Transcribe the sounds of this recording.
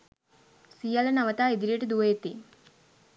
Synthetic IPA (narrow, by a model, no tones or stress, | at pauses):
sijalɐnaʋət̪aːid̪iɾijəʈəd̪uʋəjet̪i